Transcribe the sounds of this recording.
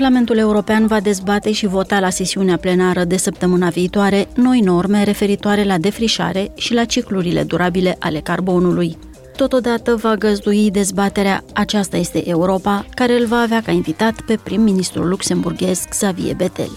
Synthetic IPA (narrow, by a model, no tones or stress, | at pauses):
parlament̪ule̞uɾo̞peanvad̪e̞zbat̪e̞ʃivo̞t̪alase̞siuneaple̞naɾəd̪e̞səp̚t̪əmɨnaviːt̪oaɾe̞no̞jno̞rme̞ɾe̞fe̞ɾit̪oaɾe̞lad̪e̞fɾiʃa̰ɾe̞ʃilat͡ʃikluɾile̞̰d̪uɾʔabile̞ʔale̞karbo̞nuluj | t̪o̞t̪o̞d̪at̪əvaɡəzd̪uid̪e̞zbat̪e̞ɾea̰at͡ʃast̪aje̞st̪e̞̰ʔeuɾo̞pakaɾe̞ɨlvaːveakainvit̪at̪pe̞pɾimːinist̪ɾṵlːukse̞mburɡʲe̞sɡz̥avḭḛbe̞t̪e̞̰l